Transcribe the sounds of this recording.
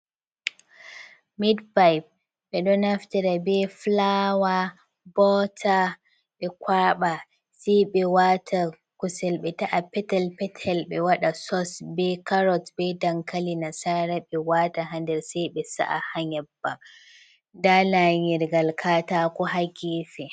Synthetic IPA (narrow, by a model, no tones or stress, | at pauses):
midpajp̚ | ɓɛɗɔnaftɛɾabɛflaːwa | bɔːtʰa | ɓɛkʷwaːɓa | sɛjɓɛwatʰa | kusɛlɓɛtaʔapɛtalpɛtʰalɓɛwaɗasɔsbɛkaɾɔtbɛdaŋkalinasaɾaɓɛwaːtaɦandɛɾsajɓɛsa̰ʔa̰haɲɛbːa | daːlaɲɛɾɡalkʰaːtaːkɔɦaɡʲiːfɛ